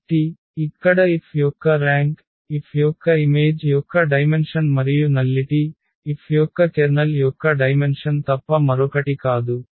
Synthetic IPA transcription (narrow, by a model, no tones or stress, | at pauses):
ʈi | ikːɐɽɐipʰjɔkːɐɾaːŋk | ipʰjɔkːɐime̞ːd͡ʒjɔkːɐɖɐjmenʂɐnmɐɾijunɐlːiʈiː | pʰjɔkːɐt͡ʃeɾnɐljɔkːɐɖɐjmenʂɐnt̪ɐpːɐmɐɾɔkɐʈikaːd̪u